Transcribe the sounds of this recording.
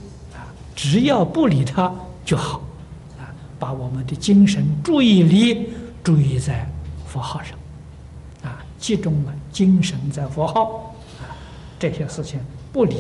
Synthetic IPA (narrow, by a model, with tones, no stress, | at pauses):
a˧ | ʈ͡ʂɻ̩˧˥jɑ˥˧ʊpu˥˩li˨˩t̪ʰa˥t͡ɕjo˥˩ʊxɑ˨˩˦ʊ | a˧ | pa˧˥wɔ˨˩mə˦nd̪ə˧t͡ɕi˥ŋʂə˧˥nʈ͡ʂu˥˧i˥˩li˧˥ʈ͡ʂu˥˩˧i˥˧t͡sa˥˩ɪfɔ˧˥xɑ˥˧ʊʂɑ̥˥˩ŋ | a˧ | t͡ɕi˥˩ʈ͡ʂʊ˥ŋlə˨t͡ɕi˥ŋʂə˧˥nt͡sa˥˩ɪfɔ˧˥xɑ˥˩ʊ | a˥˩ | ʈ͡ʂɤ˥˩ɕɛ˧ʂɻ̩˥˩t͡ɕʰi˩ŋpu˥˩li˨˩˥